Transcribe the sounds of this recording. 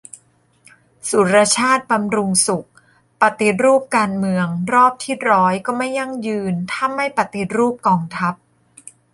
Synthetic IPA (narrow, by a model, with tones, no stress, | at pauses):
su˨˦˩ɾa˧t͡ɕʰaː˥˩t̪̚ba˧mɾu˧ŋsu˨˩k̚ | pa˨˩t̪i˨˩tɾuː˥˩p̚kaː˧nmɯ˧əŋɾɔː˥˩p̚t̪ʰi˦˥˩ɾɔː˦˥jkɔː˥˩ma˥˩jːa˥˩ŋjɯː˧nt̪ʰa˥˩mːa˥˩jpa˨˩t̪i˨˩t̪ɾuː˥˩p̚kɔː˧ŋt̪ʰa˦˥p̚